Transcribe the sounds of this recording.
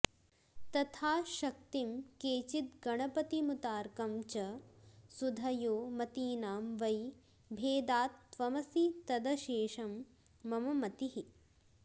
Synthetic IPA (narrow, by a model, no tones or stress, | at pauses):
t̪ɐt̪ʰaːʃɐk̚t̪imkeːt͡ʃit̪̚ɡɐɳ̃ɐpɐt̪imut̪aːɾkɐmt͡ʃɐsud̪ʱɐjoːmɐt̪iːnaːmʋɐj | bʱeːd̪aːt̪ːʋɐmɐsit̪ɐd̪ɐʃeːʃɐmː | ɐmɐmɐt̪iɦi